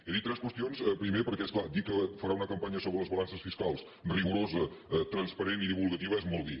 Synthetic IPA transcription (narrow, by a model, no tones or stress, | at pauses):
eðit̪ːɾɛskwəst̪ionsɛpɾimepəɾkɛsklˠad̪ikːəfəɾaunəkəmpaɲəsoβɾələzβəlansəsfiskalˠs | riɣuɾozət̪ɾənspəɾeniðiβulˠɣət̪iβəɛzmɔlˠd̪i